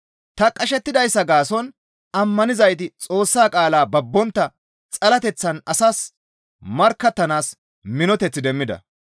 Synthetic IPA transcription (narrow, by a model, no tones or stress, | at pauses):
t̪ɐkʼɐʃɛt̪ːɪd̪ɐjsːɐɡaːsɔn | ɐmːɐnɪzɐjt̪̬ɪt͡sʼo̞ːsːaːkʼaːlaːbɐbːɔnt̪ːɐ | t͡sʼɐlɐt̪ɛt͡sːɐnɐsaːs | mɐɾkːɐt̪ːɐnaːs | mɪnɔt̪ɛt͡sːɪd̪ɛmːɪd̪ɐ̰